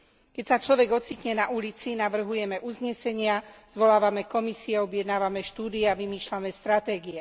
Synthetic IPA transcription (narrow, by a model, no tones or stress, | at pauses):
kɛcsat͡ʃlɔʋɛɡɔt͡siːt̪ɲɛnaʔulit͡sinaʋr̩ɦujɛmɛʔuzɲɛsɛɲɪaz̥ʋɔlaːʋamɛkɔmisiɛɔbjɛd̪naːʋamɛʃt̪uːd̪iɛaʋimiːʃlamɛst̪ɾat̪ɛːɡiɛ